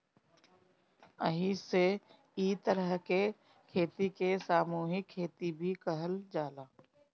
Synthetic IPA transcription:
əɦise | iːt̪əɾəɦke | kʰeːt̪ikesaːmuːɦɪkʰːeːt̪ibʱikəɦəld͡ʒaːlaː

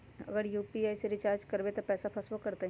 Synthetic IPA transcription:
ɐ̰ɡəɾjuːpiaːjseɾɪt͡ʃaːɾd͡ʒkɐɾbet̪opɛːsapʰɐsʋokɐɾt̪e

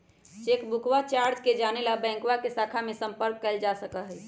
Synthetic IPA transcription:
t͡ʃekbukwat͡ʃaɾd͡ʒked͡ʒanelabɛ̃ŋkwakesakʰamesə̃mpəɾkːəld͡ʒasəkəɦɛ

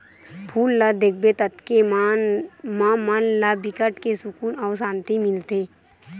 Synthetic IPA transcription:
pʰuːlːad̪eːk̚bet̪ət̪kem | mamanlabɪkəʈkesʊkuːnɔːɾsãːnt̪imɪlt̪eː

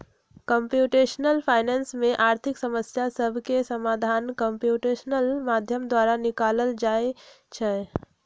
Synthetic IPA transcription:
kəmpjuːʈeːʃnəlpʰaːɪnɛ̃ːnsmẽʔaːɾt̪ʰɪksəməsjasəbʱkesəmaːd̪ʱaːnkəmpjuːʈeːʃənəlmad̪ʱjəmd̪waɾanɪkaːləld͡ʒaːe | t͡ʃʰɛ

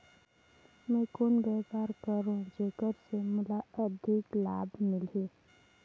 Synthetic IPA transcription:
mɛ̃ːkoːnɡəjpaːɾkəɾũd͡ʒeːkəɾsemʊlaəd̪ʱɪklaːbmɪleː

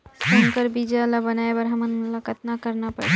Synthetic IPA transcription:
sonkəɾbid͡ʒalabənaebəɾɦəmənmulakət̪nakəɾnapə̰ɾt͡ʃ

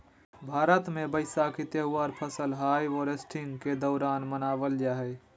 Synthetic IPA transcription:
bʱaːɾət̪mẽbəɪsakit̪eɦʊwaːɾpʰəsəlɦaːjɔːɾesʈʰɪŋɡked̪ɔːɾaːnmənaːʋəld͡ʒaːɦɛː

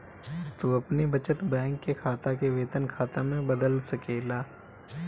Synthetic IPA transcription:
t̪uɐpnibɐt͡ʃət̪bɛ̃ːŋkːekʰaːt̪akeʋeːt̪ənkʰaːt̪amẽbɐd̪əlsɐkeːlaː

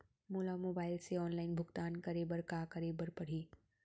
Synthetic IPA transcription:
moːlamoːbaːɪlseɔːnlaːɪnbʱʊɡt̪aːnkəɾeːbəɾkaːkəɾeːbəɾpɐɽ̤iː

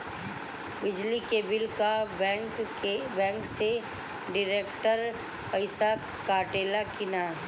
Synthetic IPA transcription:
bɪd͡ʒlikebɪlkakbɛ̃ːŋkse | ɖɪɾeːkʈəɾ | pɐɪsa | kaːʈeːlakɪnaː

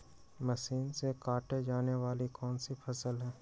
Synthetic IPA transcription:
mɐʃiːnsekaːʈed͡ʒaːneʋaːlikɔːnsipʰɐsəlɦɛː

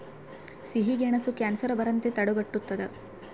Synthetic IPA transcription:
siɦiɡeɳɐsukaːnsɐɾɐbɐɾɐnt̪et̪ɐɽuɡɐʈːut̪ːɐd̪e

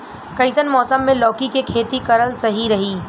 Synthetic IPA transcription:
kɐɪsənmɔːsəmːẽlɔːkikekʰeːt̪ikɐɾəlsɐɦiɾɐɦiː

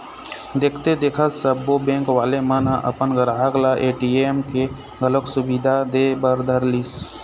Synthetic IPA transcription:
d̪eːkʰt̪ed̪eːkʰət̪səbobẽːŋkʋaːlemə̃nãʔə̰pənɡəɾaɦəɡlaʔeːʈiemke | ɡələksʊbid̪ʱad̪eːbəɾd̪ʱəɾliːs

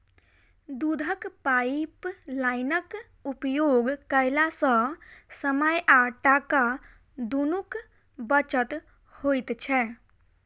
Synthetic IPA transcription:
d̪ud̪ʱəkpajplaɪnək | upjoɡkəɪlasə̃səməjʔaʈaka | d̪unuk | bət͡ʃət̪ | hojt̪t͡ʃʰɛ

